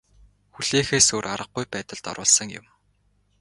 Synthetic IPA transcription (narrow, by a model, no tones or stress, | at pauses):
xuɮ̥eːxeːsoːrʔaɾə̆q̚ɡujpæːt̪ə̆ɮt̪ɔ̰ɾʊːɮsə̆ŋjʊ̰m